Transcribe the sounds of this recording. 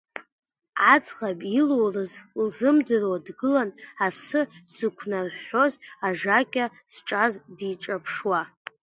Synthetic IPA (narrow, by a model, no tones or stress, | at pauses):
at͡sʼʁabʼilorɨzlzɨmdɨrwadɡɨlanasɨz̥ɨkʷʰnarħo̞zaʐakʲʼa | z̥ʈ͡ʂʼazdiʈ͡ʂʼapʰʂwa